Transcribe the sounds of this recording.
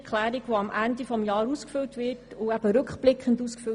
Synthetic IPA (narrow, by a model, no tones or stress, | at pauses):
kχlæːɾiɡʋoɑmʔændifɔmjɑːɾuːskfʏltʋɪtuæb̥əɾɵkχb̥lɪkχənduːskfø